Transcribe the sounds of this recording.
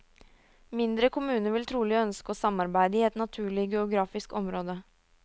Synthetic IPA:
mɪnd̪ɾəkʰʊmʉːnəʋɪlt̪ʰɾuːlɪœnskəoːsɑmːɑɾbæɪd̪əiːɛt̪nɑt̪ʰʉːɭɪɡɛʊɡɾɑːfɪskɔmɾoːd̪ə

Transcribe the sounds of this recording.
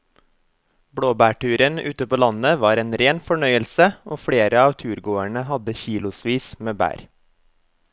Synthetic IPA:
bɽoːbæːʈʉːɾənʉ̰ːt̪əpoːlɑnəʋɑːɾeːnɾeːnfɔɳœʏəlsəʔoːfɽeːɾəɑːʋt̪ʰʉːɾɡoːæɳəhɑd̪əçiːlʊsʋiːsmeːbæ̰ːɾ

